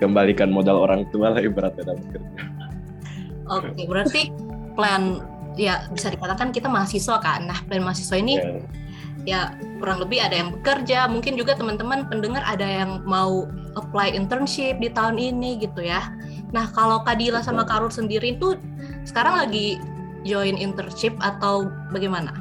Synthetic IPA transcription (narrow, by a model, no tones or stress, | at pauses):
kəmbalikanmodalo̰ɾaŋt̪ualaibəɾat̪̚adabəkərd͡ʒa | ʔokebəɾart̪i | plɛn | jabisadikat̪akankit̪amaɦasisoka̰nahplɛnmaɦasi̥sɔini | ja | kuɾaŋləbɪɦadajaŋbəkərd͡ʒamuŋkɪnd͡ʒuɡat̪əmant̪əmanpəndəŋara̰dajaŋmauʔəplajʔint̪ərnʃɪp̚dit̪aʊniniɡit̪uja | nahkalowkadilasamakaɾʊrsəndiɾit̪ʊ | sə̥kaɾaŋlaɡi | d͡ʒoɪnint̪ərʃɪp̚at̪aw | baɡajmana̰